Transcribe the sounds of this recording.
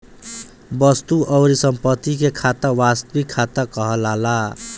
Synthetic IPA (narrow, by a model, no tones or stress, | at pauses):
bʌst̪uʔʌwɾisəmpət̪ːikekʰat̪awast̪bikʰat̪akʌɦəlala